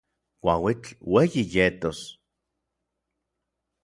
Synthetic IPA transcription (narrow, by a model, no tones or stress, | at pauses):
kʷa̰wit͡ɬwejijet̪os